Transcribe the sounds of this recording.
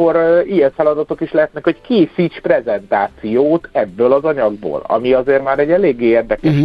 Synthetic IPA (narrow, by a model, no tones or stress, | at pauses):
oɾijɛɱfɛlɒd̪ɒt̪o̞kiʃlɛɦɛt̪̚nɛkhockeːsiːt͡ʃprɛzɛnt̪aːt̪sijoːt̪ɛbːøːlɒzɒɲɒɡ̚bo̰ːlɒ̰miɒzeːrmaːɾɛɟːɛleːɡːeːeːrd̪ɛkɛʃ